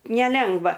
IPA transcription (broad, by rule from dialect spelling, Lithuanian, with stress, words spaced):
nʲɛˈlʲɛŋɡʋɐ